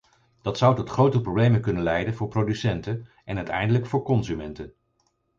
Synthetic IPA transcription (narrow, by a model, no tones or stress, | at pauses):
d̥ɑtsʌwtɔtχrowtəprowblejmənkɵnənlɛjdənvʊːɹprodysɛntən | ʔɛnœɥtɛ̰jndələkfʊːɹkɔnzymɛntən